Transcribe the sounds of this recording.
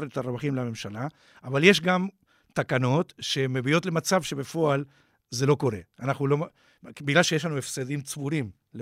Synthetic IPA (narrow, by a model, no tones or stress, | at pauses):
ɾet̪aɾevaχimleame̞mʃala | ʔavalje̞ʃɡam | t̪akano̞t̪ʃe̞mebio̞t̪lemat͡savʃe̞befo̞al | ze̞lo̞ko̞ɾe̞anaχnulo̞ | biɡlalʃejeʃ̬lanuefsed̪imt͡svuɾim | l